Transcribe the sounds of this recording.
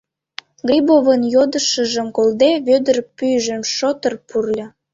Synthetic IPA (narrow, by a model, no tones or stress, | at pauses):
ɡrʲibovənjod̪əʃəʒəmkold̪eβød̪ərpyjʒəmʃot̪ərpurlʲɤ̆